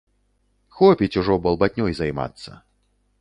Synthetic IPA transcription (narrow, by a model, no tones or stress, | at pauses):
xɔpʲit͡sʲuʐɔbɐlˠbat̪ʲnʲɔjzajma̰t̪sːɐ̰